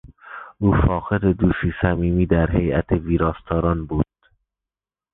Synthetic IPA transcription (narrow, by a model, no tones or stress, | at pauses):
ʔuːfɒːqed̪ed̪uːsiːsæmiːmiːd̪æɾɦe̞jæt̪ʰeviːɾɒːst̪ʰɒːɾɒːnbuːd̪̥̚